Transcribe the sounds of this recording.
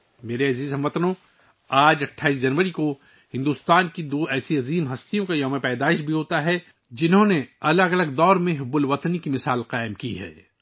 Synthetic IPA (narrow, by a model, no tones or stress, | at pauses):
meːɾeɐziːzɦɐ̃mʋɐt̪nõ | aːd͡ʒɐʈʰːaːiːs̬d͡ʒɐnʋəɾiko | hɪ̃nd̪uːst̪aːnkid̪oːɛːsiɐziːmɦɐst̪ijõkajɐmẽpɛːd̪aːɪʃbʱiɦoːt̪aɦɛ | d͡ʒɪnɦõneɐləɡɐləɡd̪ɔːɾmẽɦʊbʊlʋɐt̪nikimɪsaːlqaːɪmkḭɦɛ̰ː